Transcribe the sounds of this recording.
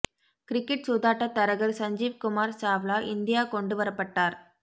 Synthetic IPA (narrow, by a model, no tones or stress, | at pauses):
kɪɾɪkːɛʈsud̪aːʈːɐt̪ːɐɾɐɣɐɭsɐɲd͡ʒiːʋkʊmaːɾsaːʋlaːʔɪnd̪ɪjaːkɔɳɖɯʋɐɾɐpːɐʈːaːɾ